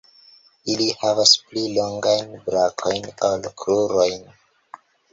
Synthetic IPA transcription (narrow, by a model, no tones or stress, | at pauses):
ilihavaspliloŋɡajnbɾakʰo̞jnalkʰluɾo̞jn